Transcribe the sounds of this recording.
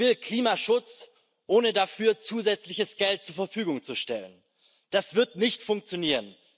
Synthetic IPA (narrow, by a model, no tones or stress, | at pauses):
vɪlkl̥iːmaʃʊt͡s | ʔoːnədafyːɐt͡suːzɛt͡slɪçəsɡ̥ɛlt̚t͡suːɐfɛɐfyːɡʊŋt͡suʃtɛlən | d̥asv̥ɪɐtnɪçtfʊŋk̚t͡sjoniːʁən